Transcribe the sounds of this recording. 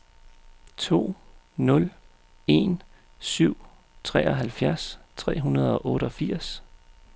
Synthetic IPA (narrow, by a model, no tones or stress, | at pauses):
t͡sʰo̝̰ː | nɔ̽l | e̝n | syʊ̰ | t͡sʰʁɛ̰ːɒ̽ɦælfjæɐst͡sʰʁɛ̰ːɦunɐð̞ˠɒ̽ʔɔ̽ːɾ̥əɒ̽fiɐ̰s